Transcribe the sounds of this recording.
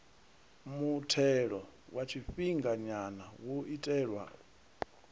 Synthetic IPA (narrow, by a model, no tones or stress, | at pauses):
mutʰɛɺɔwat͡ʃʰiɸiŋɡaɲanawuitʼɛːɺwa̰